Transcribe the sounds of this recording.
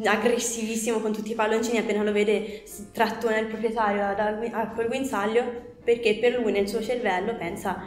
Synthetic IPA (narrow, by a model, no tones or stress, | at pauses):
aɡɾesːivisːimokont̪ut̪ːipalːont͡ʃiːniapːeːnaloveːd̪e | t̪ːɾat̪ːonelpɾopɾjet̪aːɾjod̪aɡiakːolɡwinsalːjo | perk̟epːerlujnelsuːot͡ʃervɛlːopɛnsa